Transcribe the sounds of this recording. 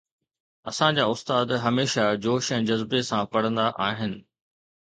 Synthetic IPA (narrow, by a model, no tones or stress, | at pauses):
ɐsãd͡ʑaːʊst̪aːd̪ɦɐmeːʃad͡ʑoːʃɛ̃ːd͡ʑɐzbesãpɐɽ̤ə̃nd̪aʔaːɦɪnɪ̆